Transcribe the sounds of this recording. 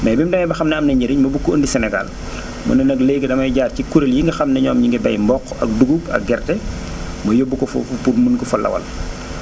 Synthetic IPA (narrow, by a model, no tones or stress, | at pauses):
mɐjbimdɐmɐjbɐxɐmnɛɐmnɐɲɐɾiɲmɐbukːuəndisɛnɛɡa̰l | mɐ̰nɐnɐɡlɛːɡɛdɐmɐjɟaːrcikuɾeljiŋɡɐxɐmnɐɲɔːmɲiŋɡɛbɐjmbɔkːɐ̰k̚duɡubɐ̰k̚ɡɛrtɛ | mɐjobːukɔfɔ̰fpuɾmunkɔfɐlɐ̰wɐ̰l